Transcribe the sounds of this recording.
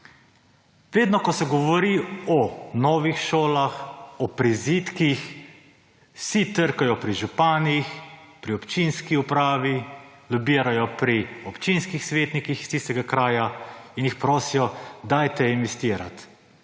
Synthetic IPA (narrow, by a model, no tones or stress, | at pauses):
ʋeːd̪nɔkɔsɛɡɔʋɔɾiɔnɔːʋixʃoːlaxɔpɾizit̪kix | sit̪əɾkajɔpɾiʒupaːnixpɾiɔpt͡ʃinskiupɾaːʋi | lubiːɾajɔpɾiɔpt͡ʃinskixsʋeːt̪nikixist̪ist̪ɛɡakɾaːjainjixpɾoːsijɔd̪aːjt̪ɛinʋɛst̪iːɾa̰t̪